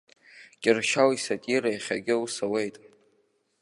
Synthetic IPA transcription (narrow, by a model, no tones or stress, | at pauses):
kʲʼɪrʃawisatʼiɾajχʲa̰ɡʲɪusawe̞jtʼ